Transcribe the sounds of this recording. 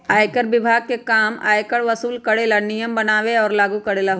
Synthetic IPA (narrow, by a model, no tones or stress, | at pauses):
aːjkəɾʋɪbʱaːɡ̚kekaːma̰ːjkəɽʋɐsuːlkɐɽeːlanɪjəmbɐnaːʋeɔːɾlaːɡukɐɽeːlaɦ